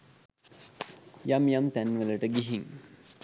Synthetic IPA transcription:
jamjamt̪ænːʋələʈəɡiɦiŋ

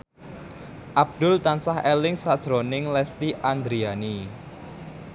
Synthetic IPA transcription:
ʔab̚d̪̥ʊ̤lt̪ansahɛlɪŋsad̥ʒ̥ɾonɪŋlɛst̪iʔand̪ɾiani

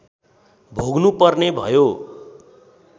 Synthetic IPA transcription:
bʱoɡnupʌrnebʱʌ̰jo

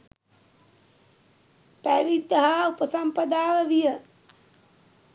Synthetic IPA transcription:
pæʋid̪ɐɦaupəsɐmpɐd̪aːʋɐʋijə

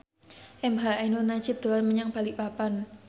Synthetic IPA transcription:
ʔɛmɦaʔanunat͡ʃɪp̚d̪̥o̤lanməɲaŋb̥a̤liʔpapan

